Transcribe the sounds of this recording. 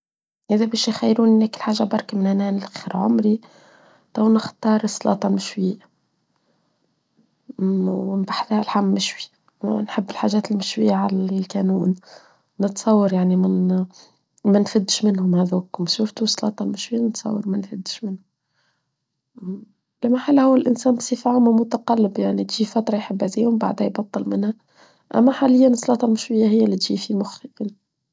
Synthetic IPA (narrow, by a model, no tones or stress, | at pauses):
ʔɪðæbæːʃjxæjːɾuːnnæːkɪlħaːʒːabɑɾˤkamɪnʔænæːnɪlʔxiɾʕʊ̰mɾi | t̪æwnɪxt̪ˤɑːɾˤsˤːlɑ̰ːt̪ˤɑmɪʃwiː | wmbaħθælħamːɪʃwi | wnħɪbːɪlħaːʒæːt̪ɪlmɪʃwijːaʕallkænuːn | nət̪sˤɑwːɑɾjaʕnimɪn | mænfɪd̪ːʃmɪnhʊmhæðuːkʊmʃuft̪usˤːɑlɑ̰ːt̪ˤɑlmɪʃwɪjːænət̪sˤɑ̰wːɑɾˤmænfɪd̪ːʃmɪnhʊm | ɪlmaħalːhuwːælʔɪnsæːnbsˤifʕʊmamʊt̪aqɑlːɪbjaʕnit̪ʒifæt̪ɾˤɑjħɪbːaziːhʊmba̰ʕd̪hæjbɑt̪ˤːɨlmɪnhæ | ʔæ̰mːæħalɪjːansˤːɑlɑːt̪ˤɑlmʊʃwɪjːahɪjːælːit̪ʒifimʊxiʔin